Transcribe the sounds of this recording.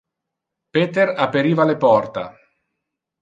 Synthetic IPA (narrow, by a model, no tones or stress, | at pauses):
peːt̪eɾapːeɾiːvalepɔrt̪a̰